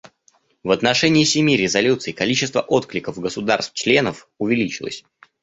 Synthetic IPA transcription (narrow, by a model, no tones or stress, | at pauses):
vət̪nɐʂɛnʲɪːsʲɪmʲiɾʲɪzɐlʲut̪sɨɪkɐlʲit͡ɕɪst̪və̰ʔo̞t̪klʲɪkəfɡəsʊd̪arst̪ft͡ɕlʲe̞nəf | ʊvʲɪlʲit͡ɕɪlˠə̰sʲ